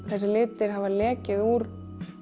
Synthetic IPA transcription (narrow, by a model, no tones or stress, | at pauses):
θɛsːɪlɪːt̪ːɪɾ̥ɦavalɛːcɪðuːɾ